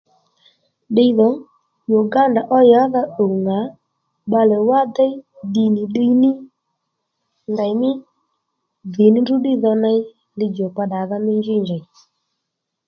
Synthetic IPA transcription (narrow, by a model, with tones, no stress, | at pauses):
ɗe˦i˦ðɔ˨˦ | jo˨ɡa˦nda˨ʔɔ˦ja˨˦ða˦ɗo˨ŋa˨˦ | ɓa˧lɛ˨wa˦d̪ɛ˦i˦ɗi˧nɪ˨ɗi˦i˦nɪ˦ | nda˨jmɪ˦ | ðɪ˨nɪ˦ndu˦ɗi˦ðɔ˧na˧i˦ | lɪ˧d͡ʒɔ˨ka˧ɗa˨ða˦mɪ˦ɲd͡ʒi˦ɲd͡ʒa˨j